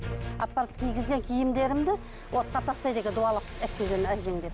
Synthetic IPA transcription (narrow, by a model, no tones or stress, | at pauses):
ɑpːɑɾəp̚kʲʰijɡʲɪzɡʲe̞ŋkʲʰijɪmd̪e̞ɾɪmd̪ɪ | wʔo̞t̪̚qɑt̪ʰɑst̪ɑjd̪e̞kʲed̪uɑlˠəqæk̚t̪ːeɡʲenæʒe̞ŋd̪eɾ